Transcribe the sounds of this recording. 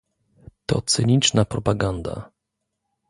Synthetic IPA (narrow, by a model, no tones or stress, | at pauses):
t̪ɔ̰t̪sɘɲit͡ʂnapɾɔpaɡand̪a̰